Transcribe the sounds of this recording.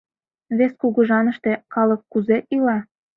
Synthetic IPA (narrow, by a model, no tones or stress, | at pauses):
βeskuɣə̆ʒɑnə̆ʃt̪e̽kɑlɤk̚kuzeʔilɑ